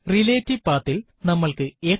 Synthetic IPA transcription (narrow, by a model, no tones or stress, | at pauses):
rileːtːiʋpaːt̪ːil | nɐmːɐɭkɨe̞ː